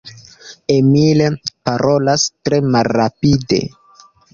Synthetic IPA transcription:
emilepaɾʔo̞lastɾe̞malːapide̞̰

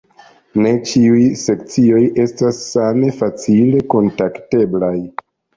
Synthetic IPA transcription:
ne̞t͡ʃiujse̞kt͡sio̞jʔe̞stasːame̞fat͡sile̞ko̞ntakte̞blaj

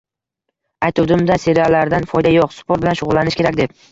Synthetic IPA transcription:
ajt̪ʰud̪ɪmd̪ase̞ɾialːaɾd̪anfɒjd̪ajɒqspʰoɾt̪bɪlanʃʊʁʊlːanɪʃkʲʰe̞ɾakʲd̪e̞p̚

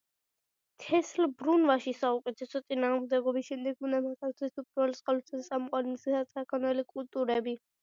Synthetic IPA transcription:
t̪ʰɛslbɾunvaʃisaukʼɛt̪ʰɛsɔt̪sʼinaːʁmd̪ɛɡɔbiʃɛmd̪ɛk̚ʰmunamat̪ʰat̪ʰɛst̪upʼɾɛlsqʼɔlɔt̪ʰɛssʼamqʼwaɾinsiχat̪sʼakʰɔnɛlikʼult̪ʼuɾɛbi

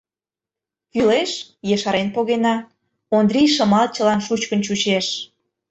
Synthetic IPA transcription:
kyleʃjeʃɑɾenpoɣenɑ | ond̪ɾʲijʃə̆mɑlt͡ɕəlɑnʃut͡ɕkənt͡ɕut͡ɕeʃ

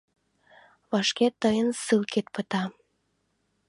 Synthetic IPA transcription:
βɑʃket̪ːəjənsɨlkʰet̪̚pət̪ɑ

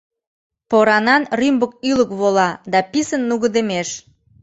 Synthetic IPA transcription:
poɾɑnɑnrymbək̚yləkβolɑd̪ɑpisənːuɣəd̪emeʃ

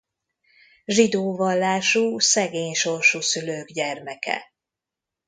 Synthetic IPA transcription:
ʒid̪oːvɒlːaːʃuːsɛɡeːɲʃo̞rʃusyløːɡɟɛrmɛkɛ̰

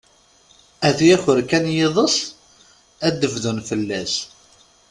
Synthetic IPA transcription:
æðjæçʊɾkænjeðˤəs | æd̪ːəvðunfəlːæs

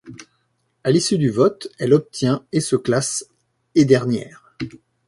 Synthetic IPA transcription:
alisyd̪yvɔt̪ɛlɔp̚t̪ʰjɛ̃esəklas | ed̪ɛʁnjɛ̰ːʁ

